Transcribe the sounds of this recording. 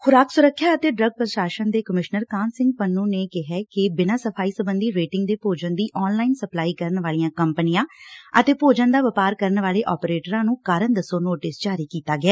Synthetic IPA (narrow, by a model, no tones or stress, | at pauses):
kʰʊɾaːksʊɾəkʰːjaːət̪eːɖɾəɡ̚pɾəʃaːʃənd̪eːkəmɪʃnəɾkãːnsɪ̃ŋɡ̚pənːũːneːkɪɦɛːkɪbɪnaːsəpʰaːiːsəbənd̪iːɾeːʈɪ̃ŋɡd̪eːpoːd͡ʒənd̪iːʔɔːnlaːinsəplaːiːkəɾənʋaːlijãːkəmpnɪjãːət̪eːpoːd͡ʒãːd̪aːʋəpaːɾkəɾənʋaːleːʔɔːpɾeːʈəɾãːnũːkaːɾənd̪əsoːnoːʈɪsd͡ʒaːɾiːkiːt̪aːɡɪɛː